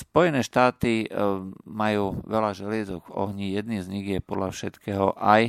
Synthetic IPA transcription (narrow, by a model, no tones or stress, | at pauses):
spɔjɛnɛːʃt̪aːt̪i | majuːʋɛlaʒɛlɪɛzɔɡvɔ̰ɦɲijɛd̪niːzɲiɣjɛpɔd̪ʎafʃɛt̪kɛːɦɔʔaj